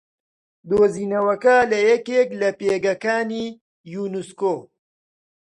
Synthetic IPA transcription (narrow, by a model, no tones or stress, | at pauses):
d̪oːziːnɐwɐkɐlɐjɐkeːklɐpeːɡɐkaːniː | junuskoː